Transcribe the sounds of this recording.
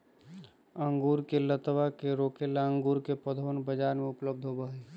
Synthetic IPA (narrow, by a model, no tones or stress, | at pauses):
ə̃ŋɡuːɾkelət̪ʋakeɾoːkelaə̃ŋɡuːɾkepəd̪ʱoːnbəd͡ʒaːɾmẽʊpləb̚d̪ʱɦobəɦeː